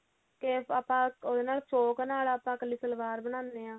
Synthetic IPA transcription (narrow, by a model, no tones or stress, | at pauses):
keaːpãːod̪eːnaːlsoːknaːlaːpãːkəliːsəlʋaːɾbəɽ̃ãːnd̪eːãː